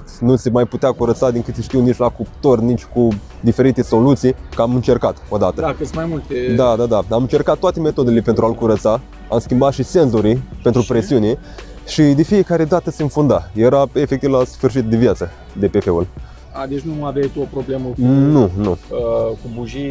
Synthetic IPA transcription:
t̪nusemajput̪eakuɾət̪sad̪iŋkɨt̪sʃt̪iwnit͡ʃlakupt̪ornit͡ʃʲku | d̪ife̞ɾit̪e̞so̞lut̪sijkəamɨnt͡ʃe̞rkat̪o̞d̪at̪əkɨsmajmult̪ed̪ad̪ad̪aamɨnt͡ʃerkat̪ːoat̪e̞me̞t̪o̞d̪e̞le̞pent̪ɾualkuɾət̪sa | a̰mskʲimbat̪ʃise̞nzoɾipent̪ɾupɾesiune | ʃid̪e̞fije̞kaɾe̞d̪at̪əsenfund̪ajeɾae̞fekt̪ivlasfɨrʃ̬it̪̚d̪evjat̪sə | d̪e̞pefeṵl | ad̪et͡ʃnuavesʲopɾoblemənunukubuʒi

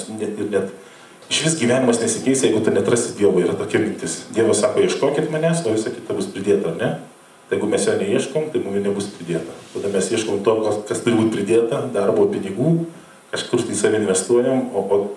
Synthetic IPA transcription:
nʲɛt̪ɪrnʲɛt̪ | ɪʃʲʋʲɪsɡʲiʋʲæːnʲɪmɐsnʲɛsʲɪkʲɛɪsjɛɪɡʊt̪ʊnʲɛt̪ɾɐsʲɪd̪ʲiɛʋoːiːɾɐt̪oːkʲɛmʲɪnʲt̪ʲɪsd̪ʲiɛʋɐssɑːkoːiɛʃkoːkʲɪt̪mɐnʲæsoːʋʲɪsɐkʲɪt̪ɐbʊspʲɾʲɪd̪ʲeːt̪ɐɐnʲɛ | t̪ɪjɛɪɡʊmʲɛsjoːnʲɛiɛʃkoːmt̪ɐɪmumɪnʲɛbʊspʲɾʲɪd̪ʲeːt̪ɐt̪ɐd̪ɐmʲɛsiɛʃkoːmt̪oːkokɐst̪ʊɾʲɪbuːt̪ʲpʲɾʲɪd̪ʲeːt̪ɐd̪ɐrboːpʲɪnʲɪɡuː | kɐʃkʊrt̪ʲiːsɑːʋʲɪɪnʲʋʲɛst̪uɔjɛmoːʔoː

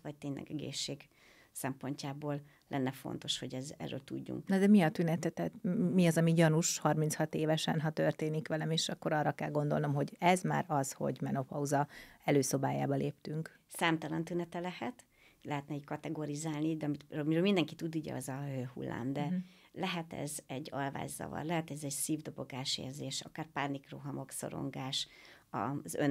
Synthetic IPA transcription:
ʋɒc̚t̪eːɲlʔɛ̰ɡɛɡḛːʃːeːɡ | sɛmpo̞ɲcaːboːl | lɛ̰nːɛfo̞̰nt̪o̞ʃho̞ɟɛzɛ̰rːø̰ːlt̪ṵɟːṵŋknɒd̪ɛmiɒt̪ynɛt̪ɛt̪ɛːt̪miɒzɒmiɟɒnuʃhɒrminshɒt̪eːvɛʃɛ̰nɦɒt̪ørt̪eːnikʋɛlɛmeːʃɒkːoɾɒːrːɒkɛlɡo̞nd̪o̞lno̞mɦo̞ɟɛzma̰ːɾɒzho̞̰ɟmɛno̞pɒuzɒɛløːso̞baːjaːbɒleːpt̪yŋk | saːmt̪ɒlɒnt̪ynɛt̪ɛlɛhɛt̪ | lɛɦɛt̪nɛikɒt̪ɛɡoɾizaːlnid̪ɛɒmit̪ømiɾøːmind̪ɛŋkit̪ud̪uɟɛ̰ɒzɒøːhṵlːa̰ːmd̪ɛ | lɛɦɛt̪ɛ̰zɛɟːɒlva̰ːɟzɒ̰vɒ̰rlɛɦɛt̪ɛzɛɟsiːvd̪o̞bo̞ɡaːʃḛːrzeːʃɒ̰kaːrpaːrnikroɦɒmo̞kso̞̰ɾo̞̰ŋɡaːʃ | ɒ̰zø̰

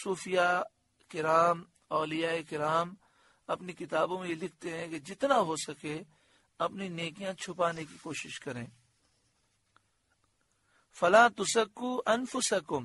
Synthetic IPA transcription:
suːfija | kɪɾaːm | ɔːlijaekɪɾaːm | ɐpnikɪt̪aːbõmẽjelɪk̚ʰt̪eɦɛ̃ked͡ʒɪt̪naɦosɐke | ɐpnineːkijãt͡ʃʰʊpaːnekikoːʃɪʃkɐɾẽː | fɐlaːt̪ʊsɐkːuːʔɐnfʊsɐkʊm

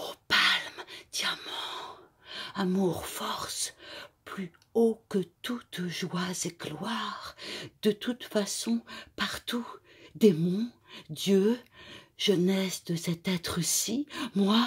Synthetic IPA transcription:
opalmd̪̥jamɑ̃ | amuʁfɔʁsply | okət̪ut̪ʒwazeɡlwaʁd̪ət̪ut̪fasɔ̃paʁt̪u | d̪emɔ̃ | d̪jø | ʒ̥ənɛsd̪əsɛt̪ɛt̪χəsimwa

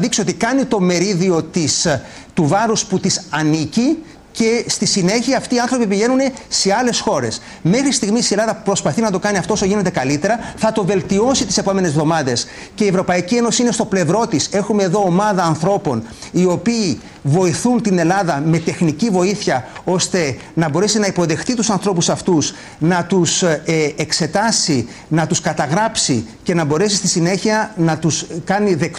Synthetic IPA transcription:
ðiksoo̞t̪ikɐnit̪o̞me̞ɾiðio̞t̪is | t̪uvɐɾusput̪isɐnici | ce̞st̪isine̞çiɐːft̪iːɐnθɾo̞pipiʝe̞nune̞se̞ɐle̞sxo̞ɾe̞s | me̞xɾist̪iɣmisielɐðɐpɾo̞spɐθinɐt̪o̞kɐniɐft̪ooso̞ʝine̞t̪e̞kɐlit̪e̞ɾɐθɐt̪o̞ve̞lt̪io̞sit̪ise̞po̞me̞ne̞zvðo̞mɐðe̞s | ceievɾo̞pɐicie̞no̞siinest̪o̞ple̞vɾo̞t̪ise̞xume̞ːðo̞ːmɐðɐːnθɾo̞po̞̰n | io̞piː | vo̞iθunt̪ine̞lɐðɐme̞t̪e̞xnicivo̞iθçɐo̞st̪e̞ | nɐbo̞ɾe̞sinɐipo̞ðe̞xt̪it̪usɐnθɾo̞pusɐft̪us | nɐt̪usekse̞t̪ɐsi | nɐt̪uskɐt̪ɐɣɾɐpsice̞nɐbo̞ɾe̞sist̪isine̞çiɐnɐt̪uskɐniðe̞kt

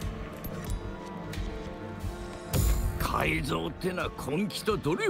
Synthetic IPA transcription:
kʰa̰izo̞ːt̪ːenakʰõŋkʲi̥t̪od̪oɾʲi

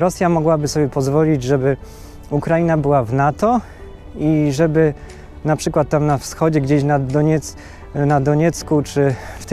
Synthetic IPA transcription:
ɾɔsʲjamɔɡwabɘsɔbʲjɛpɔzvɔlʲid͡ʑʐɛbɘ | ukɾajinabɘwavnat̪ɔ | iʐɛbɘ | napʂɘkwat̪ːamnafsxɔd͡ʑɛɡd͡ʑeɕnad̪ɔɲɛt̪s | nad̪ɔɲɛt̪skut͡ʂɘft̪

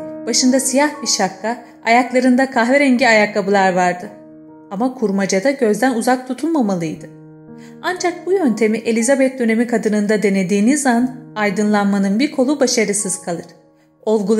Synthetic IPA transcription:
b̥aʃɯnd̪asijahbiʃakʰːa | ajaklˠaɾɯnd̪akʰaɦvɛɾɛɲɟiajakːabɯlˠaɾvaɾd̪ɯ | amakʰuɾmad͡ʒad̪aɟø̞zd̪ænuzak̚t̪ʰut̪ʰulˠmamalˠɯjd̪ɯ | and͡ʒak̚bujønt̪ʰe̞miʔe̞lʲizabɛt̪̚d̪ø̞ne̞mikʰad̪ɯnɯnd̪ad̪e̞ned̪iːnizanajd̪ɯnlˠanmanɯnbiɾkʰo̞lˠubaʃaɾɯsɯz̥kʰalˠɯɾ̥ | o̞lˠɡul

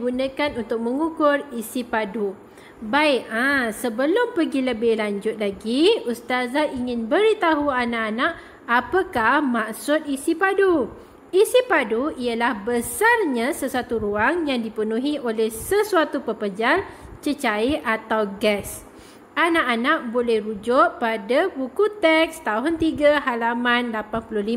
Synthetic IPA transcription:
ɡunə̃kanunt̪ʊk̚mə̃ŋukʊrisipadu | baɪʔãsəbəlʊmpəɡiləbɪhlaɲd͡ʒʊt̪̚laɡiust̪azaʔiŋɪ̃nbəɾit̪aɦuanãʔanaʔ | apəkahmaksʊt̪̚isipadu | isipaduialahbəsarɲãsəsuat̪uɾuaŋjaŋdipənũɦiʔolɛhsəsuat̪upəpəd͡ʒal | t͡ʃət͡ʃaiʔat̪awɡɛs | anãʔanaʔ̚bolɛhrud͡ʒʊʔpadabukut̪ɛk̚st̪aɦʊnt̪iɡaɦalamãnlapanpulʊhli

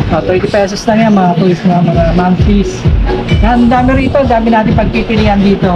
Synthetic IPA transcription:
ʔot̪ɛɹt̪ɪpɛːsosnɐŋjanmɐŋap̪ulɪsnɐmɐŋamanfisnɐɐnd̪aːmɪɾiːt̪od̪aːmɪnaːt̪ɪnpɐɡ̚kipɪliːɐnd̪iːt̪o̞

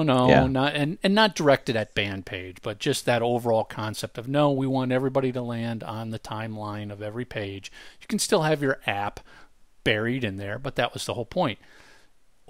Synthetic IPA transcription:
noʊnəɾɨ̃nɨ̃nːət̚d̥ə˞ɛk̚tɨɾɨt̚b̥æ̃npʰeɪdd͡ʒb̥ʌt̚d̥ʒ̥ʌs̚ðɨɾoʊvə˞ɔlˠkʰɑ̃nsɛp̚tʌvnoʊwiwɑ̃ntɛvɹibɑɾiɾəlæ̃ndn̩ðɨtʰãɪ̃mlãɪ̃nʌvɛvɹipʰeɪdd͡ʒ̥jɨkʰn̩stɪlˠɨvjə˞ʔæpb̥ɛɹiɾɨ̃nðə˞bʌt̪̚ðɨʔ̚wʌz̥ðə̰hoʊlˠpʰɔ̃ɪ̃nt̚

